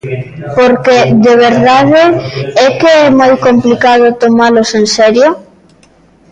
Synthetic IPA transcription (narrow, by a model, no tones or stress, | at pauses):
poɾkeðeβeɾðaðeɛkeɛmajkomplikað̞ʊt̪omalosensɛɾjo